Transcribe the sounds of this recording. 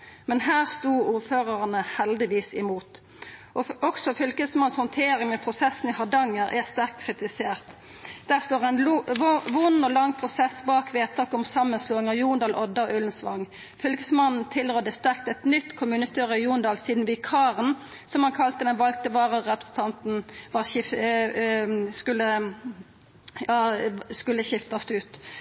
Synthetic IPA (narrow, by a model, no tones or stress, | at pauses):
mɛnhæːʁst̪uːuːʁføːʁəʁnəhɛld̪ɪʋiːsɪmuːt̪ | ʔɔɔksɔfʏlkəsmɑnshɔnt̪ʰeːɾɪŋmɛːpʰʁʊsɛsn̩ɪhɑd̪ɑŋːəɾʔæst̪æʁk̚t̪kʰʁɪt̪ɪseːʁt̪ | d̪̥æːʁst̪oːʁæɪnʋʊnːɔlɑŋːpʰʁʊsɛsbɑːkʋeːt̪ʰɑːkɔmsɑmːənsloːɪŋɑjuːnd̪ɑːlʔɔd̪ɑʔʉlnsʋɑ̰ŋː | fœlɡəsmɑnn̩t̪ʰɪlʁød̪əst̪æʁk̚t̪ɛt̪nʏt̪ːkʰʊmʉːnət̪ʰøːʁəɪjuːnd̪ɑːlsiːd̪nʋɪkʰɑːʁən | sɔmhɑnkʰɑlt̪əd̪ɛnʋɑlɡ̚t̪əʋɑːʁəːɛpʁəsn̩t̪ʰɑnt̪n̩ʋɑːɪ | skʉlːə | ɑskʉlːəʃɪft̪ɑst̪ʉːt̪